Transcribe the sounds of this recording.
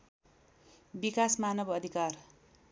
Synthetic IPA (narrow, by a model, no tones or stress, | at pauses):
bikasmanʌbʌd̪ʱikar